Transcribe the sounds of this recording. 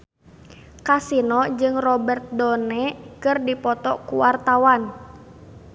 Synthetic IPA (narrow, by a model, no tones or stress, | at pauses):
kasinɔd͡ʒɨŋrɔbɛrt̪̚dɔnɛkɨrdipɔt̪ɔkuwart̪awan